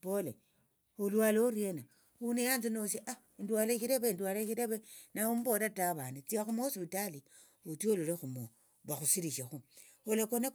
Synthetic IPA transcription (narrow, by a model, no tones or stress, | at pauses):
pole | olwaloɾjena | unejanzinosiʔa | ndwaleʃiɾeβendwaleʃiɾeβenaumboɾataβanet͡siaxumoospitali | otioloɾexumo | βaxusiɾiʃaxu | olekone